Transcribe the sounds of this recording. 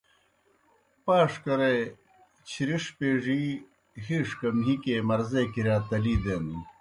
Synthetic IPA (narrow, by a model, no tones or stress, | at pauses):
paːʂkɐɾe | t͡ɕʰiɾiʂpeːʐi | hiːʂkɐmɦikemɐɾzekiɾjaːt̪ɐliːd̪eːni